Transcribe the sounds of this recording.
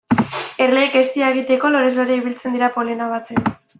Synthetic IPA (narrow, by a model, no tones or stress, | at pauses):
e̞rleːkest̪iaeɣ̞it̪e̞ko̞lo̞ɾe̞zloɾeiβ̞ilt͡se̞nd̪iɾapo̞lenaβat͡sek